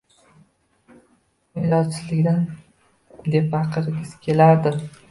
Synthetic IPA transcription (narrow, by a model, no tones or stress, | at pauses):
mɪlɒt͡ʃʰɪzlɪkʲd̪an | d̪e̞pːɑqʰɨɾɪɡʲɪz̥kʲʰe̞laɾd̪ɪ